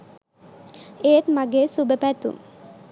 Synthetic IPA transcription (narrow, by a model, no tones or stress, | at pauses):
eːt̪maɡeːsubəpæt̪ṵŋ